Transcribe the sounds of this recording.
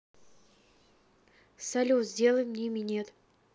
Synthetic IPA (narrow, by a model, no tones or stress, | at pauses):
sɐlʲuzʲdʲe̞lˠəjmnʲimʲɪnʲet̪